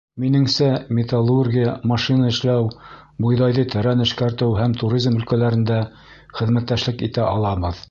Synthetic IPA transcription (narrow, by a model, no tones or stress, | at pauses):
minɘ̆ŋsæmʲɪt̪alˠurɡʲijəmɑʃinɑɘ̆ʃlæw | bujðɑjðɤt̪ɘ̆ɾænɘ̆ʃkæɾt̪ɘwɦæmt̪uɾʲizmɵ̆lkælæɾɘ̆nd̪æ | χɘ̆ðmæt̪ːæʃlɘkit̪æʔɑlˠɑbɤð